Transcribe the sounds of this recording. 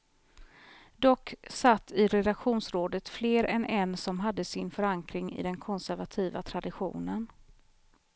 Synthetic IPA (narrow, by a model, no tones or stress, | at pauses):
d̪ɔkːsat̪ːɪɾɛd̪akɧuːnsɾoːd̪ət̪fleːɾɛnʔɛnsɔmɦad̪ːəsɪnfœɾaŋkɾɪŋɪ̰d̪ɛnkʰɔnsæɾvat̪ʰiːvat̪ʰɾad̪ɪɧṵːnən